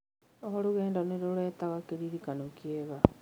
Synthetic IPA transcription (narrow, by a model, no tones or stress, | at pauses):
ohɔɾuɣɛːndaneɾoɾɛːtaɣakeɾiɾikanokieɣa